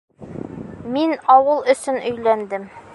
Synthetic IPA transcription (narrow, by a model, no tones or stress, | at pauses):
minɒwɤlˠɵ̆sɵnɵ̆jlænd̪ɘm